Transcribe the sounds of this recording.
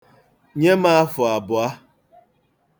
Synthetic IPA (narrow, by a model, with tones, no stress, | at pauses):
ɲe˦ma˦a˦fʊ˨a˨bʊ˨a˦